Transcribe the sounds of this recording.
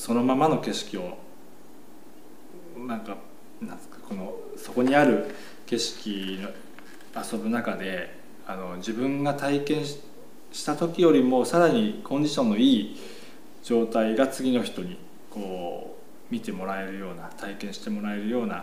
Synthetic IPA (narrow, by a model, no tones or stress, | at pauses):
so̞no̞mamano̞ke̞ɕi̥kʲio̞ | nãŋka | nãn | ḁko̞no̞ | so̞ko̞ɲ̟iaɾɯ̟ | ke̞ɕi̥kʲino | aso̞bɯ̟nakad̪e̞ | ano̞d͡ʑibɯ̟̃ŋɡat̪aikẽ̞ɰ̃ | ɕi̥t̪at̪o̞kʲijo̞ɾʲimo̞saɾaɲ̟ikʰõ̞ɲ̟d͡ʑiɕõ̞nːo̞iː | d͡ʑo̞ːt̪aiɡat͡sɨɡʲino̞çi̥t̪o̞ɲ̟i | ko̞ː | mʲit̪e̞mo̞ɾae̞ɾɯ̟jo̞ːnat̪ʰaikẽ̞ɰ̃ɕi̥t̪e̞mo̞ɾae̞ɾɯ̟jo̞ːna